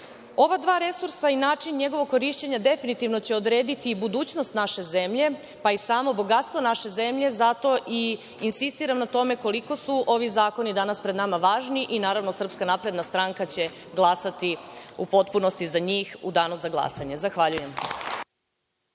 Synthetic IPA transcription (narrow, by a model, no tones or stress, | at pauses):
o̞ʋad̪ʋaːɾe̞suɾsainaːt͡ʂinɲe̞ɡo̞ʋoɡ̚kːo̞ɾiʃt͡ɕe̞ɲad̪e̞finit̪iʋno̞t͡ɕe̞o̞d̪ɾe̞ːd̪it̪ibud̪uːt͡ɕnost̪naʃe̞ze̞mʎe̞ | paisaːmo̞bo̞ɡat̪st̪ʋo̞naʃe̞ze̞mʎe̞zat̪o̞ʔi | insist̪iɾamnat̪o̞me̞ko̞liko̞suʔo̞ʋizaːko̞nid̪anaspɾed̪namaʋaːʒniʔinaːɾaʋno̞sr̩pskanapɾe̞d̪nast̪ɾaŋkat͡ɕe̞ | ɡlˠasat̪iupo̞t̪puno̞st̪izaɲiːxud̪aːnuzaɡlˠa̰saɲe̞zaxʋaʎuje̞m